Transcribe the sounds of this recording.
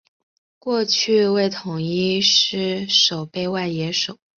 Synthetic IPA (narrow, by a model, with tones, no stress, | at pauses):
kwɔ˥˧t͡ɕʰy˥˧we˥˩ɪt̪ʰʊ˨˩ŋi˥ʂɻ̩˥˩ʂo˨˩ʊpe˥˧ɪwa˥˩ɪjɛ˧˥ʂo˨˩˦ʊ